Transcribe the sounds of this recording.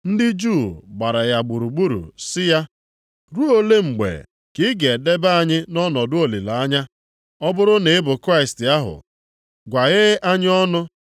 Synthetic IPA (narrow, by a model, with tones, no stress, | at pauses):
n̩˦dɪ˦d͡ʒu˦˨ɡ͡ba˨ɾa˨ja˨ɡ͡bu˨ɾu˨ɡ͡bu˦ɾṵ˨sɪ˦ja˦ | ɾu˦o˦le˦ŋ͡m̩˨ɡ͡bḛ˨ | kɪ˦ɡe˨de˦ba˦a˨ɲɪ˦nɔ˦nɔ˨dʊ˦o˨li˨la˨a˦ɲa˦ | ɔ˦bʊ˦ɾʊ˦ne˨ɪ˦bʊ˨kɾa˦ɪ˨stɪ˨a˦ɦʊ̰˨ | ɡʷa˨ɣɪ˦ʔa˦ɲɪ˦ɔ˦nʊ˦